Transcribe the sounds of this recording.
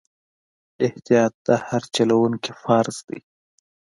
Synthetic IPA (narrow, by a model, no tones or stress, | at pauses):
ɪht̪ijɑːt̪ːahaɾt͡ʃalawuŋkifɑːɾsd̪̥ḭ